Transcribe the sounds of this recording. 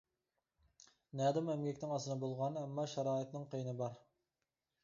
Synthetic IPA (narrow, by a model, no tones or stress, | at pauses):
nɛːd̪ɪmɛmɡʲɛkʲnɪŋɑsɨnɑbolˠʁɑnɛmːɑʃɑɾɑːɨt̪nɪŋqʰəjnɨbɑɾ